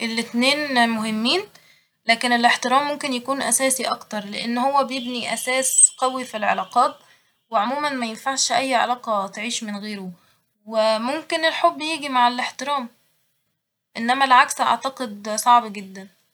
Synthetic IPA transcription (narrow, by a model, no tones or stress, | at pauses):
ʔelːet̪neːnmoɦemːiːn | læːkeneleħt̪eɾæːmːomkenjækuːnʔæsæːsiʔɑkt̪ɑɾˤleʔenːhowːæbejebniʔæsæːsqɑwifilʕḛlɑːqɑːt̪̚ | weʕomuːmænmæjenfaʕʃʔæjːʕḛlɑːqɑt̪ʕiːʃmenɣeːɾo | wemomkenelħobːjiːɡimaʕeleħt̪eɾæːm | ʔenːæmælʕaksʔɑ̰ʕt̪ɑqed̪sˤɑʕbɡed̪ːæn